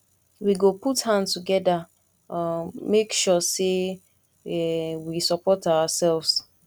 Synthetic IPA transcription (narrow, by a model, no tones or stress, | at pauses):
wiɡoputhãntuɡɛda | mekʃɔse | ɛwisɔpɔtawasɛlvs